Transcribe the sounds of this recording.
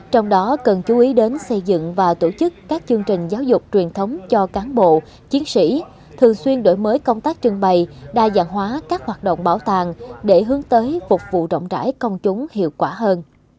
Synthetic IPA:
t͡ɕɔ˧wŋ͡mɗɔ˨˦kə˨˩nt͡ɕu˨˦ʔi˨˦ɗe˨˦nsə˧jzɨ̰˧˨ŋvaː˨˩t̪o˧˩t͡ɕɨ˦˥kːaː˦˥k̚t͡ɕɨ˧ŋt͡ɕï˨˩ŋ̟zaː˨˦wzʊ˨˩k͡p̚t͡ɕwi˨˩ənt̪ʰə˨˦wŋ͡mt͡ɕɔ˧kaː˨˦nɓo̰˧˨ | t͡ɕi˨˦ənsḭ˧˥ | t̪ʰɨ˨˩əŋswi˧ənɗo̰˧˩jməː˨˦jkə˧wŋ͡mt̪aː˦˥k̚t͡ɕɨ˧əŋɓə˧˩jɗaː˧zaː˧˩ŋɦwaː˨˦kaː˦˥k̚hwaː˨˩t̚ɗo̰˧˨wŋ͡mɓaː˧˩wt̪aː˨˩ŋɗe˧˩ɦɨ˨˦əŋt̪əː˨˦jfʊ˨˩k͡p̚vṵ˧˨zə̰˧˨wŋ͡mt͡ɕa̰ː˧˩jkə˧wŋ͡mt͡ɕʊ˨˦ŋ͡mhḭ˧˨əwkwaː˧˩ɦəː˧n

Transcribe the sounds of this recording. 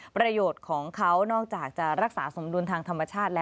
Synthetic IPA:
pɾa˧joː˨˩t̪̚kʰɔː˩˦ŋkʰa˦˥wnɔː˥˩k̚t͡ɕaː˨˩k̚t͡ɕa˨˩ɾa˦˥k̚saː˩˦so˩˦mdu˧nt̪ʰaː˧ŋt̪ʰa˧mːa˧t͡ɕʰaː˥˩t̪̚lɛː˦˥

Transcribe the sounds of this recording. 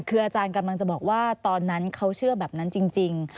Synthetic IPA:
kʰɯː˧ʔaː˧t͡ɕaː˧nka˧mla˧ŋt͡ɕa˨˩bɔː˨˩k̚waː˥˩t̪ɔː˧nːa˦˥nkʰa˦˥wt͡ɕʰɯ˥˩ɐbɛː˨˩p̚na˦˥nt͡ɕi˧ŋt͡ɕi˧ŋ

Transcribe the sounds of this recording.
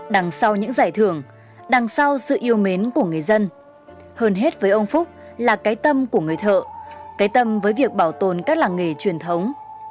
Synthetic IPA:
ɗa˨˩ŋsa˧wɲɨ̰˧˥ŋzaː˧˩jt̪ʰɨ˧˩əŋ | ɗa˨˩ŋsa˧wsɨ̰˧˨ʔi˧əwme˨˦nku˧˩əŋɨ˨˩əjzə˧n | həː˧nɦe˦˥t̚vəː˨˦jʔə˧wŋ͡mfʊ˦˥k͡p̚laː˨˩kaː˨˦jt̪ə˧mku˧˩əŋɨ˨˩əjt̪ʰə̰ː˧˨kaː˨˦jt̪ə˧mvəː˨˦jvi˨˩ək̚ɓaː˧˩wt̪o˨˩nkaː˦˥k̚laː˨˩ŋe˨˩t͡ɕwi˨˩ənt̪ʰə˨˦wŋ͡m

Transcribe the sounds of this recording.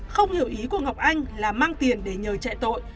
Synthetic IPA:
xə˧wŋ͡mhi˨˩əwʔi˨˦ku˧˩əŋa˨˩wk͡p̚ʔa˧jŋ̟laː˨˩maː˧ŋt̪i˨˩ənɗe˨˦ɲəː˨˩t͡ɕa̰˧˨jt̪o̰˧˨j

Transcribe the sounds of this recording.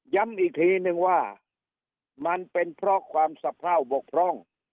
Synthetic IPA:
ja˦˥˨mʔiː˨˩k̚t̪ʰiː˧˦˥nɯ˧ŋwaː˧˥˩ | ma˧npe˧npʰɾɔ˦˥kʰwaː˧msa˧pʰɾaː˥˩wbo˨˩k̚pʰɾɔ˥˩ŋ

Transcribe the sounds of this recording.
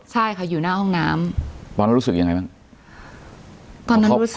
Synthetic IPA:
t͡ɕʰa˥˩jkʰa˥˩juː˨˩naː˥˩ɦɔ˥˩ŋnaː˦˥mpɔː˧n˦˥ɾu˦˥sɯ˨˩k̚ja˧ŋa˧jma˦˥ | t̪ɔː˧na˦˥˧ɾuː˦˥s

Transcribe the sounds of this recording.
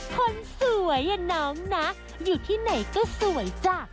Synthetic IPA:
kʰo˧nsu˨˩˦əja˧nɔː˦˥ŋna˦˥ | juː˨˩t̪ʰiː˥˩na˨˩jkɔː˥˩su˨˩˦əjt͡ɕaː˨˩k̚

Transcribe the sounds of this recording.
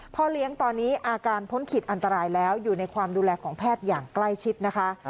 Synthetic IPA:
pʰɔ˦˥li˦˥əŋt̪ɔː˧nːiː˦˥ʔaː˧kaː˧npʰo˦˥nkʰi˨˩ʔa˧nt̪a˧ɾaː˧jlɛː˦˥wjuː˨˩na˧jkʰwaː˧mduː˧lɛː˧kʰɔː˩˦ŋpʰɛː˥˩t̪̚jaː˨˩ŋkla˥˩jt͡ɕʰi˦˥t̪̚na˦˥kʰa˦˥ʔ

